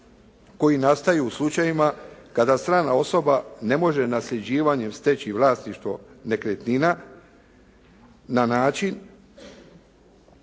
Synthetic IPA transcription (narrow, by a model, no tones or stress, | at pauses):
ko̞jinast̪ajuuslˠut͡ʃajimakad̪ast̪ɾaːnao̞so̞bane̞mo̞ʒe̞nasʎe̞d͡ʑiːʋaɲe̞mst̪et͡ɕiʋlˠaːst̪niʃt̪ʋo̞̰ne̞kɾet̪nina | anaːt͡ʃin